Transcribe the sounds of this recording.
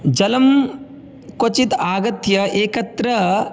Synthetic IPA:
d͡ʒɐlɐm | kot͡ʃit̪aːɡɐt̪jɐʔeːkɐt̪ɾɐ

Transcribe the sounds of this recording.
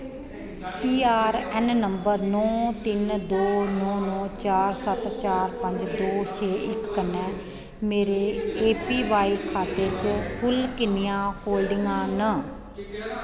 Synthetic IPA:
piːaːɾɛnnəmbəɾnɔ̃ːt̪ɪnd̪oːnɔ̃ːnɔ̃ːt͡ʃaːɾsət̪t͡ʃaːɾpəɲd͡ʒd̪oːt͡ʃʰeːʔɪkːənːɛ̃ː | meːɾeːeːpiːʋaːiːʋkʰaːt̪et͡ʃpʊlkɪnɪjãːhoːlɖɪŋãːnə

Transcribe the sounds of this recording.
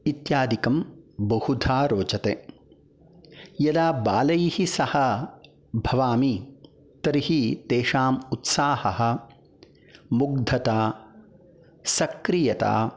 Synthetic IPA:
it̪jaːd̪ikɐmbɐhud̪ʱʰaːɾoːt͡ʃɐt̪e | jɐd̪aːbaːlɐjihisɐhɐ | bʱɐʋaːmi | t̪ɐɾihit̪eːʃaːmut̪saːhɐɦɐ̆ | muɡ̚d̪ʱɐt̪aː | sɐkɾijɐt̪a̰ː

